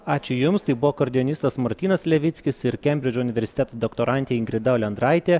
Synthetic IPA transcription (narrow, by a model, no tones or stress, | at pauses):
ɑːt͡ʃʲʊjʊmst̪ɐɪbʊʋoːkɐɾʲd̪ʲɪɔnʲɪst̪ɐsmɐɾʲt̪ʲiːnɐslʲɛʋʲɪt̪sʲkʲɪsɪɾkʲɛmʲbʲɾʲɪd͡ʒʲoʊnʲɪʋʲɛɾʲsʲɪ̥t̪ʲæːt̪oːd̪ɔkt̪oːɾɑnʲt̪ʲeːɪŋɡɾʲɪd̪ɑɔlʲɛnd̪ɾɑɪt̪ʲeː